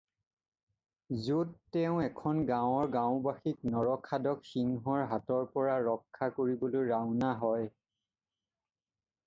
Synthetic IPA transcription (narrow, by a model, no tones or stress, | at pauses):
zodtɛʊ̃ɛkʰɔnɡãwɔɹɡãʊ̃baxik̚nɔɹɔkʰadɔkxiŋɦɔɹɦatɔɹpɔɹaɹɔkʰːakoɹibolojɹaʊnaɦɔj